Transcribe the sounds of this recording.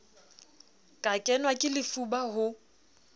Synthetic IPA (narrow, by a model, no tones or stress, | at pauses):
kʼakʼɛnwakʼɪlɪfubaɦʊ